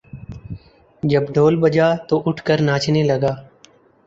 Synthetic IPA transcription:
d͡ʒəbɖʱoːlbəd͡ʒaːt̪oːʔʊʈʰkəɾnaːt͡ʃʰneːləɡaː

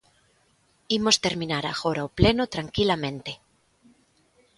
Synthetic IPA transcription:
imost̪eɾmĩnaɾa̰ɣoɾawplenot̪ɾaŋkilamẽnt̪e

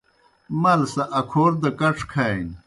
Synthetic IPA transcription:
mɐlsɐʔɐkʰoːɾd̪ɐkɐʈ͡ʂʰkʰajn

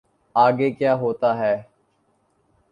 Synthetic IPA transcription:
aːɡeːkjaːɦoːt̪aːɦɛː

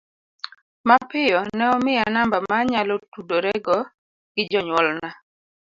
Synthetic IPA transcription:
mapɪjɔnɛɔmɪjanambamaɲalɔtudoɾɛɡɔ | ɡ̥ɪd͡ʒɔɲwɔlna

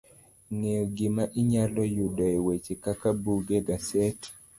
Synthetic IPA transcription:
neɔɡɪmaʔɪɲalɔjudɔɛwet͡ʃekakabuɡeɡasɛt

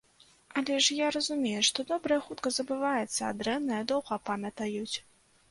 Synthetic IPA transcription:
ɐlʲɛʂjaɾɐzumʲejɛʂt̪ɔd̪ɔbɾɐjɐxut̪kɐzɐbɨvajɛt̪sːɐːd̪ɾɛnːɐjɐd̪ɔwɣɐpamʲɐt̪ɐjut͡sʲ

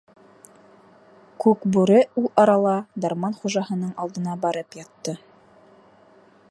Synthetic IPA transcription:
kʉkbʉɾɘulˠɑɾɑlˠɑd̪ɑɾmɑnχuʒɑɦɤ̆nɤɴɑlˠd̪ɤ̆nɑbɑɾɤpjɑt̪ːɤ

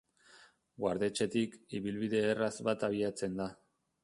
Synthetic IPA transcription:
ɡwaɾðe̞t͡ʃe̞t̪ikiβilβiðe̞ːrazβat̪aβ̞iat͡se̞nd̪a

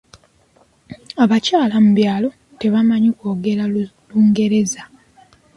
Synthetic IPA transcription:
aβacaːlamuβjaːlo̞ | te̞βamaɲikoːɡe̞ɾa | luːŋɡe̞ɾe̞za

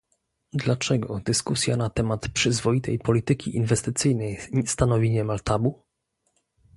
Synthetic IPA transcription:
d̪lat͡ʂɛɡɔ̰d̪ɘskusʲjanat̪ɛmat̪pʂɘzvɔit̪ɛjpɔlʲit̪ɘkʲiʔinvɛst̪ɘt̪sɘjnɛjst̪anɔvʲiɲɛmalt̪abu

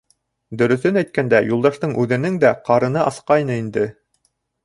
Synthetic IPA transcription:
d̪ɵ̆ɾɵ̆θɘnæjt̪̚kænd̪æjulˠd̪ɑʃt̪ɤɴʔʉðɘ̆nɘŋd̪æqɑɾɤ̆nɤʔɑsqɑjnɤind̪ɘ

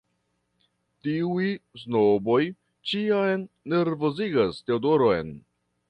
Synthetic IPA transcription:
tiujsnobo̞j | t͡ʃiajnːe̞ɾvo̞ziɡasteodoɾojn

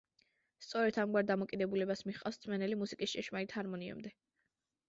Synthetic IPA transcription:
st̪sʼɔɾɛt̪ʰamɡwaɾd̪amɔkʼid̪ɛbulɛbasmiχqʼa̰fst̪sʰmɛnɛlimusikʼist͡ʃʼɛʃmait̪haɾmɔniɛ̰md̪ɛ

